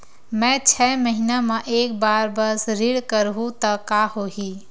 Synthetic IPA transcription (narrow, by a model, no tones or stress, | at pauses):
mɛ̃t͡ʃʰɛːməɦinamẽʔeːk̚baːɾbəsɾɪɽkəɾɦũt̪əkahoɦi